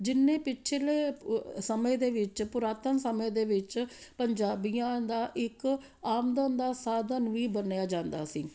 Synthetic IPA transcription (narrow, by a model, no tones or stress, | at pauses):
d͡ʒɪnːẽːpɪt͡ʃʰleːsəmẽːd̪eːʋɪt͡ʃpʊɾaːt̪ənsəmẽːd̪eːʋɪt͡ʃpəɲd͡ʒaːbijãːd̪aːʔɪk | aːmd̪õːnd̪aːsaːd̪ənʋiːbənjaːd͡ʒãːnd̪aːsiː